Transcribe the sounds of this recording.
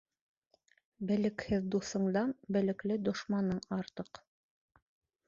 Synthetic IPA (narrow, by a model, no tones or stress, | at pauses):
bɘ̆lɘ̆khɘðd̪uθɤ̆ɴd̪ɑnbɘ̆lɘ̆klɘd̪ŏʃmɑnɤɴɑɾt̪ɤq